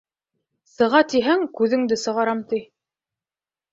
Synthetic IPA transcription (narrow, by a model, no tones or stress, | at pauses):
sɤ̆ʁɑt̪iɦæŋkʉðɘ̆ŋd̪ɘsɤ̆ʁɑɾɑmt̪i